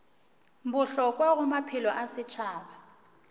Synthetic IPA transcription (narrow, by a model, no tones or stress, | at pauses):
mbʊɬɔk̬ʼwaɣʊmapʰɪlɔʔasɪt͡ʃʰaːɓa